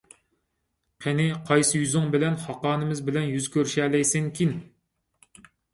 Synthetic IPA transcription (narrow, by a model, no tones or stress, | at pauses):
qʰenɪqʰɑjsɨjyzɪŋbɪlɛnhɑqɑːnɨmɪzbɪlɛnjyzkʲʰøɾʃɛlɛjsɪŋkʲʰin